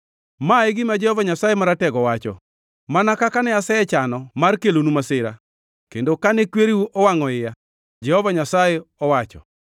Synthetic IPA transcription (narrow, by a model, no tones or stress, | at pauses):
maeɡɪmad͡ʒɛhɔvaɲasajemaɾatɛɡɔwat͡ʃɔ̰ | manakakanɛasɛɛt͡ʃanɔmarkelonumasɪɾa̰ | kendokanɛkweɾiwuʔɔwaŋɔɪja | d͡ʒɛhɔvaɲasajeɔwat͡ʃɔ̰